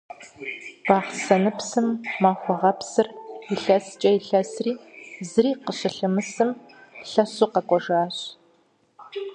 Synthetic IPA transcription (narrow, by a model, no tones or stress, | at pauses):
b̥ɑːʁsɐnɨpsɨmːaːxʷɔʁɐpsɨrɪɬɐst͡ʃʼɐjɪɬɐsriːzɨriːqəɕɪɬɨmɨsɨm | ɬɐɕuqɐkʷʼɔʒaːɕ